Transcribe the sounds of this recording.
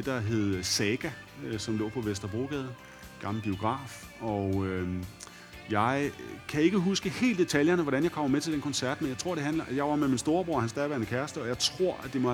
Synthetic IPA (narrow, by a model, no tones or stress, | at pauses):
ed̥ɑ̈ɦe̝ð̞̩ˠsɛɡ̥æ | sɒ̽mlɔ̰̽ːpʰɒ̽ʋesd̥ʁɐb̥o̝̰ːɡ̥ɛːð̞̩ˠ | ɡ̥ɑ̈ml̩əb̥io̝ɡ̥ʁɑ̰̈ːf | ɒ̽ø | jɑ̈ɪkʰæe̝ɡ̥əɦusɡ̥əhe̝̰ːld̥e̝t͡sʰæljɐnəʋɒɾænjɑ̈ɪkʰɒ̽mɐmet͡sʰe̝ld̥enkʰɒ̽nsæɐ̰d̥menjɑ̈t͡sʰʁo̝ɐ̰ɾ̥e̝ɦænlɐʔjɑ̈ɪʋɑ̈meminsd̥o̝ːɐb̥ʁo̝ɐ̰hænsd̥ɛʋæɐnəkʰæɐsd̥əɒ̽jɑ̈ɪt͡sʰʁo̝ɐ̰æd̥e̝mɒ̽